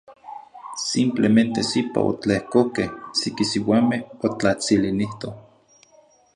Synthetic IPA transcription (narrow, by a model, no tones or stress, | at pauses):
simplement̪esipa̰o̰t͡ɬehkokehsikisiwamehot͡ɬat͡siliniht̪o